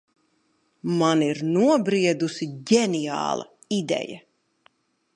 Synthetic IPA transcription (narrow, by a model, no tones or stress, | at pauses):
maniɾnuɔbɾiɛd̪usiɟɛnija̰ːlˠɐ̰ | id̪ɛ̰jɐ